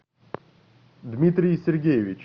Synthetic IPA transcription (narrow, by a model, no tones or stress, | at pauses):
d̪mʲit̪ɾʲijsʲerɡʲejeʋʲit͡ɕ